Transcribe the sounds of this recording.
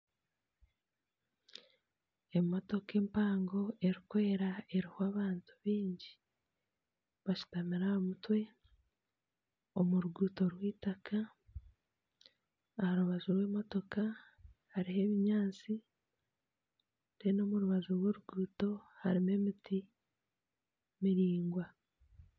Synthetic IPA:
emo̞to̞keːmpaːŋɡo̞e̞ɾikwoeɾae̞ɾihoaːβaːntu̥βiːɲɟi | βaʃu̥tamiɾahomutwe̞ | o̞muɾuɡuːto̞ɾwiːtaka | haɾuβazuɾwe̞ːmo̞to̞ka | haɾihe̞ːβiɲaːnt͡si | denoːmuɾuβazuɾwoːɾuɡuːto̞haɾime̞miti | miɾiːŋɡwa

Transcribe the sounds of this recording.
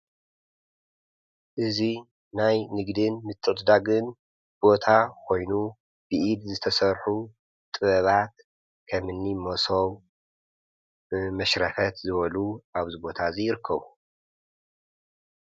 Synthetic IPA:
ʔɨzi | najnɨɡd̪ɨnmɨt̪ʰːɨʔt̪d̪aɡɨn | b̥o̞t̪ʰakʰo̞jnu | b̥ɨʔid̪zɨt̪ʰɐsɐɾħu | t̪ʼɨβɐβat̪ | kʰɐmɨnːimosow | mɐʃɾɐfɐt̪zɨβɐluʔaβzɨbo̞t̪ʰazijɪɾɨkʰːɐβu

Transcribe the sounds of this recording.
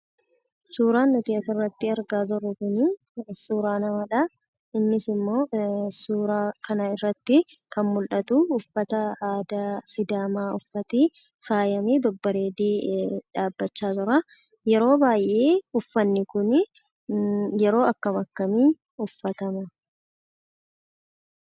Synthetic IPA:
suːɾaːnːʊt̪ɪɐsɪrːɐt̪ːɪɐɾɡaːt̪ʊɾːʊkʊni | suːɾaːnɐmɐlɐ | ɪnːɪsɪmːo̞ːsuːɾaːkɐnɐɪrːɐt̪ːɪ | kɐnmʊlᶑɐt̪uːfːɐt̪ɐaːd̪asɪd̪aːmaːʊfːɐt̪i | faːjɐmiːd̪ɔbːɐɾeːd̪iːᶑaːbːɐt͡ʃːaːt̪ʊɾɐ | jɛɾo̞ːbaːjʔe̞ːʊfːɐnːɪkʊnɪ | jɛɾo̞ːɐkːɐmɐkːɐmiː | ʊfːɐt̪ɐmɐ

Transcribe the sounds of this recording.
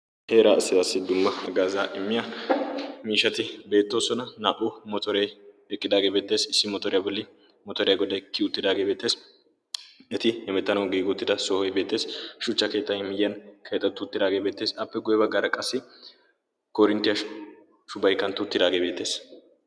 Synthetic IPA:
he̞ːɾaːsːɪd̪aːsːɪd̪ʊmːɐɐɡaːzaːʔɪmːɪjɐ | miːʃɐt̪ɪbe̞ːt̪ːo̞ːsɔnɐnaːʔʊmɔt̪ɔɾɛj | ɛkʼːɪd̪aːɡeːbe̞ːt̪ːe̞ːsɪsːɪmɔt̪ɔɾɪjɐbɔlːɪ | mɔt̪ɔɾɪjɐɡɔd̪ɐjkːɪʊt̪ːɪd̪aːɡeːbeːt̪ːe̞ːs | ɛt̪ɪhɛmɛt̪ːɐnɐwɡiːɡʊʊt̪ːɪd̪ɐsɔhɔjbe̞ːt̪ːe̞ːsʃʊt͡ʃːɐke̞ːt̪ːɐjmɪjjɐnkʰe̞ːt̪ːɐt̪ːʊʊt̪ːɪd̪aːɡe̞ːbe̞ːt̪ːe̞ːsɐpːɛɡʊjɛbɐɡːaːɾɐkʼɐsːɪ | kɔɾɪnt̪ːɪjɐ | ʃʊbɐjkːɐnt̪ʊːt̪ːɪd̪aːɡebeːt̪ːe̞ːs

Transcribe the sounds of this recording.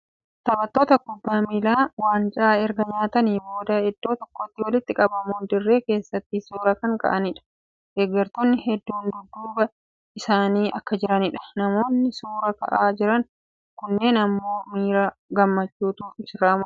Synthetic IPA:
t̪ɐbɐt̪ːo̞ːt̪ɐkʊbːaːmiːlaːwaːnt͡ʃʼaːɛɾɡɐɲaːt̪ɐniːbo̞ːd̪ɐhɛd̪ːo̞ːt̪ɔkːoːt̪ːɪwɐlɪt̪ːɪkʼɐbɐmuːnd̪ɪrːe̞ːke̞ːsːɐt̪ːɪsuːɾɐkɐŋkɐ̰ʔɐnɪᶑɐ̥ | ɡ̥eːɡɐɾt̪onːɪhɛd̪ːuːnd̪ʊd̪ːuːbɐ | ɪsaːniːʔɐkːɐd͡ʒɪɾɐnɪᶑɐ̥nɐmo̞ːnːɪsuːɾɐkɐ̰ʔaːd͡ʒɪɾɐn | kʊnːe̞ːnɐmːo̞ːmiːɾaːɡɐmːɐt͡ʃːuːt̪uːfɪsɾaːmɐ

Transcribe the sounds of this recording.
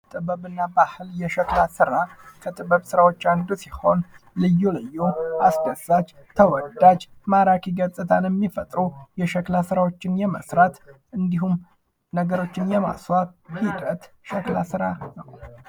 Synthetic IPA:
t̪ʼɨβəβɨnːabahɨljɛʃəklasɨɾakʰət̪ʼɨβəβsɨɾawo̞t͡ʃːand̪usiho̞n | lɨjːulɨjːoasd̪əsat͡ʃ | t̪ʰəwɔd̪ːad͡ʒmaɾakʰiɡət͡sʼɨt̪ʰanjɛmːifət̪ʼɾujɛʃəklasɨɾawo̞t͡ʃːɪnjɛmə̰sɾat̪ʔɨnd̪iɦum | nəɡəɾo̞t͡ʃːɪnjɛma̰swaβhid̪ət̪ | ʃəklasɨɾanəw

